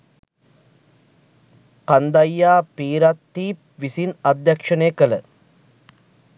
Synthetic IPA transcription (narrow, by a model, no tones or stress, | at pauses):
kɐnd̪ɐjːaːpiːɾat̪ːiːp̚ | ʋisinɐd̪jɐkʂɐneːkɐlə̰